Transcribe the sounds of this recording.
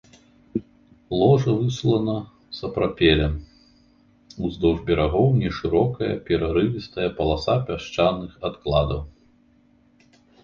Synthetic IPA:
lˠɔʐɐvɨslˠɐnɐ | sɐpɾapʲɛlʲɛm | uzd̪ɔʐbʲɛɾaɣɔwnʲɛʂɨɾɔkɐjɐ̰pʲɛɾaɾɨvʲist̪ɐjɐpɐlˠasapʲaʂt͡ʂanːɨxat̪klˠad̪ɐw

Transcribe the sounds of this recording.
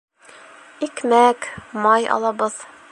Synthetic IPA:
ikmækmɑjɒ̰lˠɑbɤð̥

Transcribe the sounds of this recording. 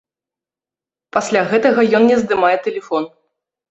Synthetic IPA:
pasʲlʲaɣɛt̪ɐɣɐjɔnnʲɛzd̪ɨmajɛt̪ɛlʲɛfɔn

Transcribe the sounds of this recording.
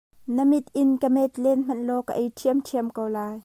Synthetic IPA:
nəmɪt̪̚ʔɪnkəmɛt̪lɛnm̥ɐnlɔkə̰ʔɛjtʰiəmtʰiəmkowlaːj

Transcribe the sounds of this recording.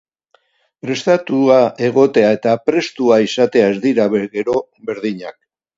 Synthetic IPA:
pɾe̞st̪at̪uaʔe̞ɣ̞o̞t̪e̞ae̞t̪apɾe̞st̪uaisat̪e̞aezd̪iɾaβeɣe̞ɾo̞ | be̞ɾðiɲak̚

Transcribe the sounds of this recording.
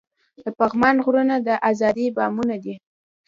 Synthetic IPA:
d̪̥əpaɣmɑnɣɾunad̪əʔazɑd̪ibɑmunad̪i

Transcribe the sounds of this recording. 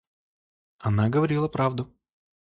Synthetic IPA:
ɐnaɡəvɐɾʲilˠəpɾavd̪ʊ

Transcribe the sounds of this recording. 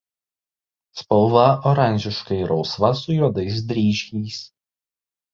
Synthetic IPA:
spɔlˠʋɐɔɾɑˑnʲʒʲɪʃkɐɪɾɒʊsʋɐsʊjoːd̪ɐɪs̬d̪ʲɾʲiːʃʲiːs

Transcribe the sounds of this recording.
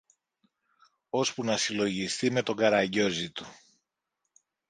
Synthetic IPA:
o̞spunɐsilo̞ʝist̪ime̞t̪o̞ɡɐɾɐɲɟo̞zit̪u̥

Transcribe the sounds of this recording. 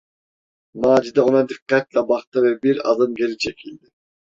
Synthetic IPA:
mɑːd͡ʒid̪ɛonɑd̪iqːɛt̪lɛbɑχt̪ɯvɛbiɾɑ̰d̪ɯmɡʲelit͡ʃʰekʲʰild̪ɪ

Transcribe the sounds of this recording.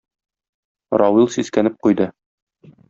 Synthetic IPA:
ɾɑwilˠsiskænɘp̚qujd̪ɤ

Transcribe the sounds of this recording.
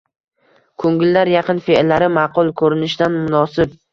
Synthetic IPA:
kʰɵŋɡʲɪlːaɾjɑqɨnfelːaɾɪmɑqʊlˠkʰɵɾɪnɪʃd̪anmʊnɒsɪb

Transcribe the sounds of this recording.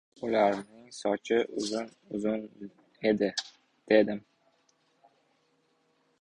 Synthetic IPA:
ʊlaɾnɪŋsɒt͡ʃʰɪʔʊzʊn | ʊzʊn | e̞d̪ɪ | d̪̥e̞d̪ɪm

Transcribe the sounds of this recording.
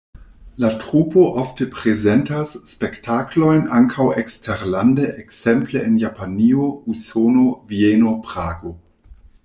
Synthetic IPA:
latɾupo̞ʔoftepɾezentasːpektʰaklo̞jnaŋkʰawekstʰeɾlandeʔeksempleenjapʰaniousonovienopɾaːɡo

